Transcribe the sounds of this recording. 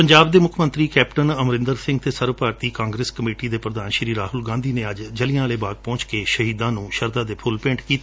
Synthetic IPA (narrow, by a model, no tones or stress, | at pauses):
pəɲd͡ʒaːb̚d̪eːmʊkʰmə̃nt̪ɾiːkɛːpʈənəmɾɪ̃nd̪əɾsɪ̃ŋɡt̪eːsəɾʋəpaːɾt̪iːkãːŋɡɾeːskəmeːʈiːd̪eːpɾəd̪aːnʃɾiːɾaːɦʊlɡãːnd̪iːneːəd͡ʒd͡ʒəlɪjãːleːbaːɡ̚pɔ̃ːt͡ʃkeːʃəɦiːd̪ãːnũːʃəɾd̪ãːd̪eːpʰʊlpɪ̃ːɳʈkiːt̪ː